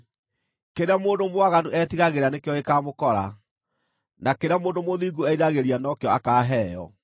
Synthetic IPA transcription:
keɾeamoːndomwaɣanuʔɛt̪iɣaɣeɾanekjɔekaːmokɔɾa̰ | nakeɾeamoːndomoðiːɡuɛiɾaɣeɾianɔkjɔakaːɦɛːjɔ̰

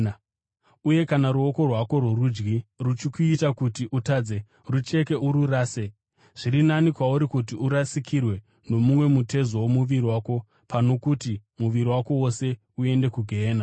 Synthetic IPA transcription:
uje̞kanaɾuo̞ko̞rwako̞rworud͡ʒɡirut͡ʃikuitakutiʔutaːd͡ze | rut͡ʃe̞ke̞ʔuɾuraːse | ʐ̥iɾinanikwauɾikut̬iuɾasikʰirwe̞ | no̞mumwe̞mutʰe̞zowomuʋiɾiwaːko̞ | pano̞kutimuʋiɾiwako̞wo̞se̞ | ue̞nde̞kuɡʱeːna

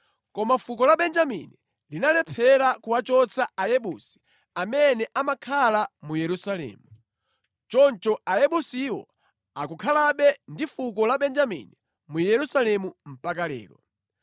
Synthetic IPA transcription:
kɔmafukɔlaɓɛnd͡ʒamḭni | linalɛpʰɛɾakuwat͡ʃɔt͡sʰaajɛɓusi̥ | amɛnɛʔamakʰalamujɛɾusalɛ̰ːmu | t͡ʃɔnt͡ʃɔajɛɓusiwɔ̰ | akukʰalaɓɛndifukɔlaɓɛnd͡ʒamḭni | mujɛɾusalɛmum̩pak̬alɛ̰ːɾɔ̰

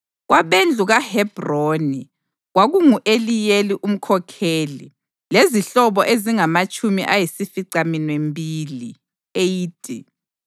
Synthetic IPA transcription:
ɣwʔaβend͡ɮʱuɣahɛb̥roni | ɣwaɣuŋuʔelijeliʔum̩kʰɔkʰeːlḭ | leziɬɔβɔʔeziŋamat͡ʃʼumiʔajisifiǀaminwembʱiːli | ejiːtʼi

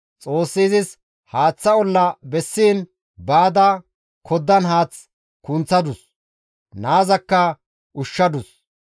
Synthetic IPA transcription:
t͡sʼo̞ːsːiːzɪs | haːt͡sːɐɔlːɐbɛsːiːn | baːd̪ɐ | kʰɔd̪ːɐnɦaːt͡s | kʊnt͡sːɐd̪ʊs | naːzɐkːɐ | ʊʃːɐd̪ʊs

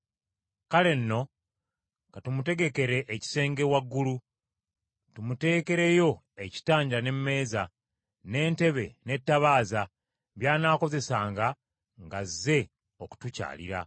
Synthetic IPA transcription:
kale̞nːo̞ | katumute̞ɡe̞ke̞ɾe̞ʔːci̥se̞ːŋɡe̞waɡːulu | tumute̞ːke̞ɾe̞jo̞ | e̞ci̥taːɲɟane̞mːe̞ːza | ne̞ːnte̞βḛne̞tːaβaːza | βjaːnaːko̞ze̞saːŋɡa | ŋɡazːe̞ | o̞ku̥tuca̰ːlḭɾa̰

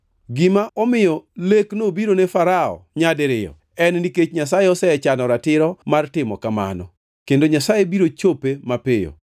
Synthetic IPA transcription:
ɡɪmaʔɔmɪjɔleknobiɾonefaɾaɔ̰ɲadeɾɪjɔ̰ | ɛnniket͡ʃɲasajeɔsɛɛt͡ʃanɔɾatɪɾɔmartɪmɔ̰kama̰nɔ̰ | kendoɲasajebiɾot͡ʃopemapɪjo̰

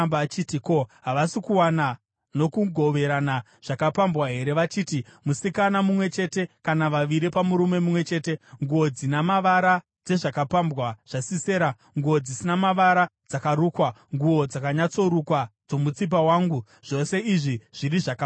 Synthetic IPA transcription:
mbaːt͡ʃitiko̞ɦaʋasikuwana | no̞kuɡʱo̞ʋe̞ɾana | ʐ̥akapambwaɦe̞ɾe̞ʋat͡ʃiːtimusikanamumwe̞t͡ʃe̞te̞kanaʋaʋiɾipamuɾume̞mumwe̞t͡ʃe̞ːte̞ŋɡuo̞d͡zinamaʋaɾa | d͡ze̞ʐakapambwaʐ̥asiseːɾa | ŋɡuod͡zisinamaʋaɾad͡zakaɾuːkwaŋɡuo̞d͡zakaɲat͡so̞ɾukwad͡zo̞mut͡sip̬awaːŋɡu | ʐ̥o̞se̞iʐiʐ̥iɾiʐaka

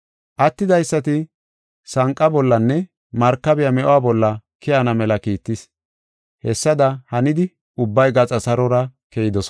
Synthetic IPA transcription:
ʔɐt̪ːɪd̪ɐjsːɐt̪ɪ | sɐŋkʼːɐbɔlːɐnːɛ | mɐɾkːɐbɪjɐmɛʔowaːbɔlːɐkɪɐnɐmɛlɐkiːt̪ːɪs | hɛsːɐd̪ɐhɐnɪd̪ɪ | ʊbːɐjɡɐt͡sʼɐsɐɾɔɾɐkɛjɪd̪ɔs

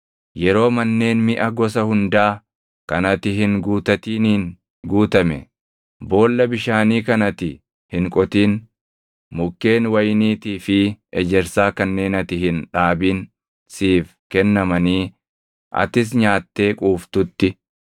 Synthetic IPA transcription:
jɛɾo̞ːmɐnːe̞ːnmɪʔɐɡɔs̬ɐhʊnd̪aː | kɐnɐt̪ɪɦɪŋɡuːt̪ɐt̪iːniːn | ɡuːt̪ɐmɛ̰ | bo̞ːlːɐbɪʃaːniːkɐnɐt̪ɪ | hɪŋkʼɔt̪iːn | mʊkːe̞ːnwɐjniːt̪iːfɪɛd͡ʒɛɾsaːkɐnːe̞ːnɐt̪ɪhɪnᶑaːbiːn | siːfkɛnːɐmɐniː | ʔɐ̰t̪ɪs̬ɲaːt̪ːe̞ːkʼuːft̪ʊt̪ːɪ

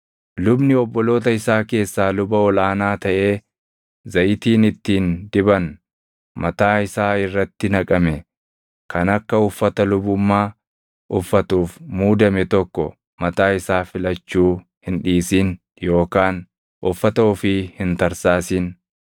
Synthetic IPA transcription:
lʊbnɪɔbːɔlo̞ːt̪̬ɐɪsaːke̞ːsːaːlʊbɐɔlaːnaːt̪ɐʔe̞ː | zɐjɪt̪iːnɪt̪ːiːnd̪ɪbɐn | mɐt̪aːɪsaːɪrːɐt̪ːɪnɐkʼɐmɛ | kʰɐnɐkːɐʊfːɐt̪ɐlʊbʊmːaː | ʊfːɐt̪uːfmuːd̪ɐmɛt̪ɔkːɔ̰ | mɐt̪aːɪsaːfɪlɐt͡ʃːuː | hɪnᶑiːsiːn | jo̞ːkaːn | ʔʊfːɐt̪ɐʊfɪhɪnt̪ɐɾsaːsiːn

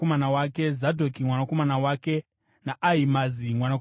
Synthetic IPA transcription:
omanawake̞zadʱokimwanako̞manawake̞ | naʔaimazimwana

